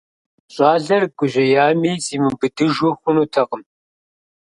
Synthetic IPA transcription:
ɕʼɑːɮɐrɡʷʊʑɐjaːmiːziːmɨmbɨdɨʒwɔxʷʊnuːtʰɐqəm

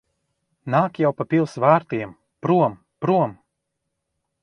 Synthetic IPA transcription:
naːkjawpapʲilˠsvaːɾt̪iɛm | pɾuɔm | pɾuɔm

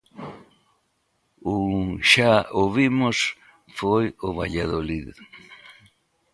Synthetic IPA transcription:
uʃaoβimʊs | fojʊβaʎaðolið

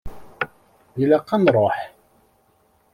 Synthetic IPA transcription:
iləqːɑnɾˤoħ

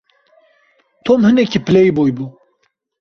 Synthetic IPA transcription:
t̪ʰomhɨnɛkipɨlejbojbu

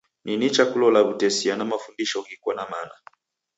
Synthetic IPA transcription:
ninit͡ʃakulɔlaβutɛsianamafundiʃɔɡikwanamana

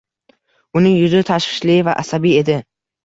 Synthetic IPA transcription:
ʊnɪŋjʊzt̪ʰaʃχɪ̥ʃlivaʔasabie̞d̪ɪ

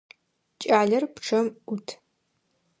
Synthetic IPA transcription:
t͡ʃʼaːɮɐrpʈ͡ʂʰɐmutʰ

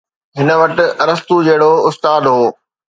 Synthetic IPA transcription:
ɦɪnə̆ʋɐʈɪ̆ɾɐst̪ud͡ʑɐɦɪɽoʊst̪aːd̪ɦoː

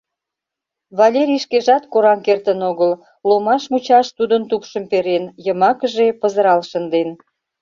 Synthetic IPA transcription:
βɑlʲeɾʲiʃkeʒɑt̪koɾɑnkert̪ənoɣəl | lomɑʃmut͡ɕɑʃt̪ud̪ənt̪upʃəmpeɾenjəmɑkəʒepəzəɾɑlʃənd̪en

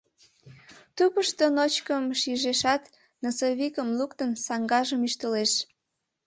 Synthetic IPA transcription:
t̪upəʃt̪onot͡ɕkəmʃiʒeʃɑt̪ | nəsoβikəmlukt̪ənsɑŋɡɑʒəmyʃt̪əleʃ

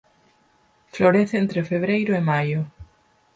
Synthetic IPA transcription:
floɾeθeent̪ɾefeβ̞ɾejɾʊemajʊ

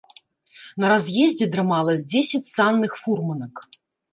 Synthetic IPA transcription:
nɐɾazʲjɛzʲd͡zʲɛd̪ɾɨmalˠɐzʲd͡zʲɛsʲɐt͡sʲsanːɨxfurmɐnɐk

